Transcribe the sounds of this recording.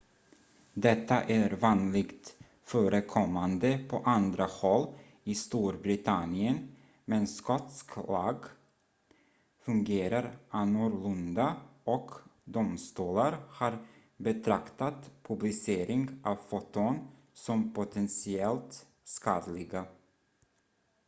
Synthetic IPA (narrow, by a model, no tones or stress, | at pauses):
d̪ɛt̪ːaʔæɾvɑːnlɪɡt̪ | fœːɾəkʰɔmːand̪əpʰɔʔand̪ɾahɔlː | ɪst̪uːɾbɾɪt̪ʰanɪən | mɛnskɔt̪sklɑːɡ | fɵŋɡeːɾaɾanɔɾlɵnd̪aɔkd̪ʊmst̪uːlaɾhɑɾ | bɛt̪ʰɾakt̪at̪pʰɵblɪseːɾʔɪŋɡʔɑvfɔt̪ɔn | sɔmpʰʊt̪ʰɛnsɪɛlt̪ | skɑːd̪lɪɡa